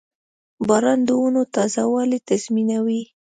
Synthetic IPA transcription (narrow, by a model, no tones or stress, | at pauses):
bɑɾɑnd̪əunot̪ɑzawɑlet̪azminawi